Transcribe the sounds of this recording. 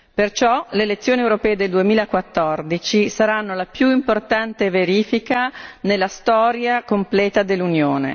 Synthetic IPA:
pert͡ʃɔleːlet̪sːjoːniewɾopɛːed̪eld̪uemiːlakwat̪ːɔrd̪it͡ʃisaɾanːolapjuimport̪ant̪eveɾiːfikanelːast̪ɔːɾjakomplɛːt̪ad̪elːunjoːnḛ

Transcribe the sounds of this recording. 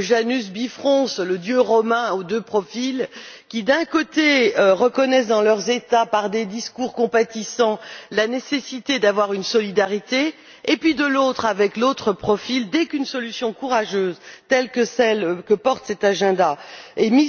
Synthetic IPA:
ʒanys̬bifχɔ̃sləd̪jøʁɔmɛ̃od̪øpχɔfilkʲid̪ɛ̃kot̪eʁəkɔnɛs̬d̪ɑ̃lœʁzet̪apaʁd̪ed̪iskuʁkɔ̃pat̪isɑ̃lanesesit̪ed̪avwaʁynsɔlid̪aʁit̪eː | pɥid̪əlot̪χavɛklot̪χəpχɔfild̪ɛkynsɔlysjɔ̃kuʁaʒøːzt̪ɛlkəsɛlkəpɔʁt̪sɛt̪aʒɛ̃d̪aemi

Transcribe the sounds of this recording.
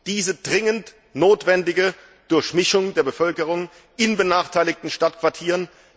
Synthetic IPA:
d̥iːzəd̥ʁɪŋənt | noːtv̥ɛndɪɡə | d̥ʊɐçmɪʃʊŋdeːɐbəfœlkəʁ̞ʊŋ | ʔɪnbənaːχtʰaɪlɪk̚tn̩ʃtatkv̥aɐtʰiːʁən

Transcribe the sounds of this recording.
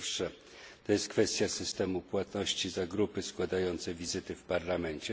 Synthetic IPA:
ʂɛ | t̪ɔjɛst̪̚kfɛst̪ʲjasɘst̪ɛmupwat̪nɔɕt͡ɕizaɡɾupɘskwad̪ajɔnt̪sɛvʲizɘt̪ɘfpaɾlamɛnt͡ɕɛ

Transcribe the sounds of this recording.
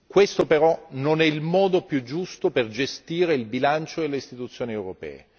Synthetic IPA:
kwest̪opeɾɔnonɛilmɔːd̪opjud͡ʒːust̪operd͡ʒest̪iːɾeilbilant͡ʃod̪elːeist̪it̪ut̪sːjoːniewɾopɛ̰ːe

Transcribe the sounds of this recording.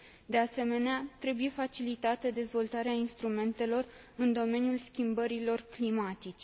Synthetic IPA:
d̪e̞ase̞me̞neat̪ɾe̞buje̞fat͡ʃilit̪at̪əd̪e̞zvo̞lt̪aɾeainst̪ɾume̞nt̪e̞lo̞r | ɨnd̪o̞me̞njulskʲimbəɾilo̞rklimat̪it͡ʃe

